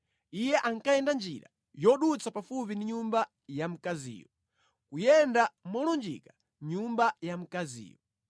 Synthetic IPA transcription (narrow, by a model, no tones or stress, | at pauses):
ijɛʔaŋkajɛndand͡ʒḭɾa̰ | jɔɗut͡sapafupindiɲumba | jam̩kazḭːjɔ | kujɛndamɔlɔnd͡ʒḭka | ɲumbajam̩kazḭːjɔ